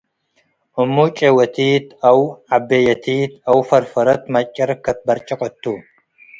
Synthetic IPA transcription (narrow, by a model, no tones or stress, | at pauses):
ʔʊmːuːt͡ʃʼewɐt̪ʰiːt̪ɐwʕabːejɐt̪ʰiːt̪ɐwfɐɾfɐɾɐt̪mɐt͡ʃʼːɐɾɐkːɐt̪̚bɐɾt͡ʃʼɐkʼɔt̪ːuː